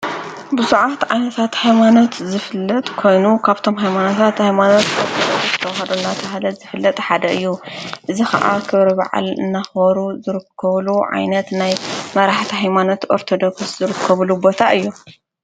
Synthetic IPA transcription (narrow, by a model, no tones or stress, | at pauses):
bɨzuʕat̪ʕajnɐt̪ʰat̪hajmano̞t̪zɨfɨlːɐt̪ʼkʰo̞jnukʰaβt̪ʰo̞mɦajmanot̪ʰat̪hajmano̞t̪ʔoɾt̪ʰod̪oksst̪ʰɐwɐɦɐd̪unːat̪ʰɐɦalɐzɨfɨlːɐt̪ʼħad̪ɐʔɨjːuʔɨzixɐ̰ʔa̰kʰɨβɾɐβa̰ʕa̰lɨ̰nːaxβɐɾuzɨɾɨkʰːɐβluʕa̰jnɐt̪najmɐɾaħt̪ʰiɦajmano̞t̪ʔo̞ɾt̪ʰo̞d̪o̞kssz̥ɨɾɨkʰːɐβulubo̞t̪ʰaʔɨjːu